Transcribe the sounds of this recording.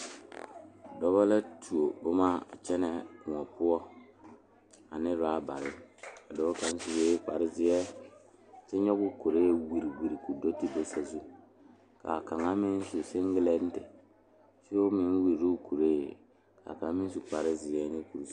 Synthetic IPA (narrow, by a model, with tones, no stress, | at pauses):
dɔ˦bɔ˦la˦tʰu˨o˨o˦maː˦a̰˨t͡ʃɛ˦nɛ˨ŋɔ˨pʊ˦ɔ˦ | a˨nɪ˦ɾaː˦ba˨ɾɪ˦a˨dɔ˦ka˦n˦si˦weː˦k͡pa˨ɾɪ˦zɪ˦jɛ˦ | tɪ˦ɲɔ˦kʊ˦ko˨ɾe˦wi˨ɾi˨wi˨ɾi˨ku˨do˦ti˦be˦sa˨zu˦ | ka̰˨ka˨ŋa˦mɪ˦n˦su˨sɪ˦ŋɡɪ˦lɛ˦n̩˦tɪ˨ | si˦o˦mɪ˦nwi˨ɾɾu˦ku˨ɾe˦˨ | ka̰˨ka˨˦mɪ˦n˦su˨k͡pa˨ɾɪ˦zɪ˨ɛ˦nɪ˦ku˨ɾ